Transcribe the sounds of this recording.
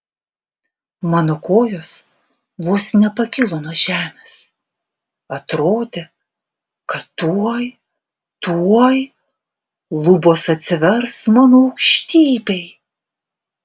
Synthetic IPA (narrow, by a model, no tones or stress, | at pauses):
mɑnʊkoːjoːs | ʋoːsnʲɛpɐkʲɪlˠoːnoːʒʲæːmʲeːs | ɐt̪ɾoːd̪ʲe | kɐt̪uɔj | t̪uɔj | lˠʊboːsɐt̪ʲsʲɪʋʲɛɾsmɑːnoːɐʊkʃʲt̪ʲiːbʲɛɪ